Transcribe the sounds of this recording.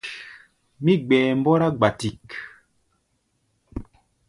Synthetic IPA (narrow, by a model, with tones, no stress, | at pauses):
mi˦ɡ͡bɛː˨m˦bɔ˦ɾa˦ɡ͡ba˨ti˨k